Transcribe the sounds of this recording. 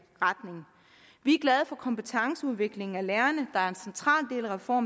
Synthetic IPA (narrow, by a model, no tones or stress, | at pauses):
ʁɑd̥ne̝ŋ | ʋiæɐɡ̥lɛð̞ˠəfɒ̽kʰɒ̽mpət͡sʰɑ̈ŋsəuð̞ˠʋe̝ɡ̥le̝ŋ̩æleːɐnəd̥ɑ̈æɐe̝nsent͡sʰʁɑ̰̈ːld̥e̝̰ːlæʁɛfɒ̰ːm